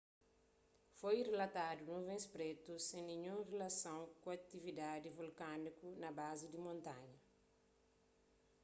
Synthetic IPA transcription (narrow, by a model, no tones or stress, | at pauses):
fojrelɐt̪ad̪unũvẽspɾet̪usẽnĩɲũŋrelɐsãw̃kuɐk̚t̪ivid̪ad̪ivulkanikunɐbazid̪imõnt̪ãɲɐ